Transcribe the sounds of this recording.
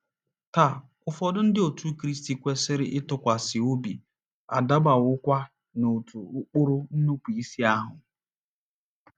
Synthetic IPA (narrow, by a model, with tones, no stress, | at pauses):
ta˨kʊ˨fɔ˨dʊ˦n̩˦dɪ˦o˨tu˦kɾi˦sti˨kʷe˦sɪ˦ɾɪ˦ʔɪ˦tʊ˨kʷa˨sɪ˨o˦bi˨ | a̰˨da˦ba˨wʊ˦kʷa˦ | no˨tʰu˨ʊ˦k͡pʊ˦ɾʊ˦n̩˦nu˦pu˨i˦si˦a˦ɦʊ˨